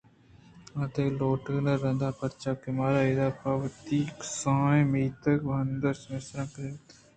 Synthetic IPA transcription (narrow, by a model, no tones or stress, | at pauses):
ɐt̪eloːʈəːnəɾːɐnd̪aːpɐɾt͡ʃaːkɪmaːɾaid̪aːpɐʋt̪iksãːẽmiːt̪əkʋʱɐnd̪əɾsmesɾãːkɾet̪